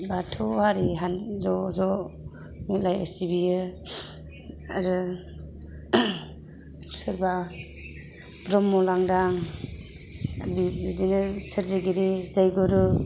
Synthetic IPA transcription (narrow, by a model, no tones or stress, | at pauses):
batʰɔhaɾiɦanzɔzɔ | milajḛsibijɯ | aɾɯ | sɯɾba | bɾɔmːɔlaŋdaŋ | bidinɯsɯɾziɡiɾizajɡɔɾu